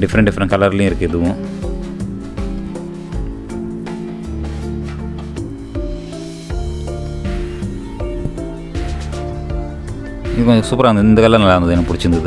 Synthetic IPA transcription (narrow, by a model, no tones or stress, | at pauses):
ɖifɐɾɐɳɖifɐɾɐnkɐlɐriliiɾukːeðuʋu | isuːpɐranːind̪ɨkɐlːɐnɐlːaːnɐðenːɐpuɽit͡ɕːund̪ɐðɨ